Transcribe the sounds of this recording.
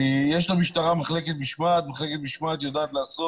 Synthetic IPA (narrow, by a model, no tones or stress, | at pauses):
ijɛʃlamiʃt̪aʁamaχleket̪̚biʃmat̪maχle̞ket̪̚biʃmat̪jo̞d̪aːt̪laːso